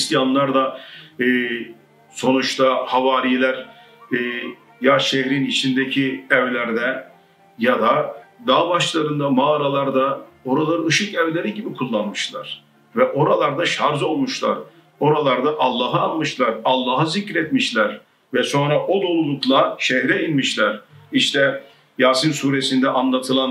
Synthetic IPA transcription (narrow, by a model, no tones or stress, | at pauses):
sjanlˠaɾd̪aː | so̞nut͡ʃt̪ʰahavaːɾijlʲæɾ | jaʃɛhɾinit͡ʃʰind̪ecʰiɛvlʲæɾd̪ɛ | jad̪ad̪aːbaʃlˠaɾɯnd̪amaːɾalˠaɾd̪ao̞ɾalˠaɾɯɯʃɯkɛvlʲeɾiɟibikʰulˠːanmɯʃlˠa̰ɾ̥ | vɛʔo̞ɾalˠaɾd̪aʃaɾzo̞lˠmuʃlˠa̰ɾ | o̞ɾalˠaɾd̪aʔalˠːaːɦɯːnmɯʃlˠaɾalˠːaːɦazicɾɛt̪miʃlʲæɾ | vɛso̞nɾaʔod̪o̞lˠulˠuklˠaʃɛhɾɛinmiʃlʲæɾ̥iʃt̪ʰɛ | jaːsinsuːɾesind̪ɛʔanlˠat̪ʰɯlˠan